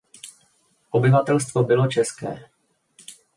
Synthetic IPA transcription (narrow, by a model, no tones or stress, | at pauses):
ʔo̞bɪvat̪ɛlst̪vo̞bɪlo̞t͡ʃɛskɛ̰ː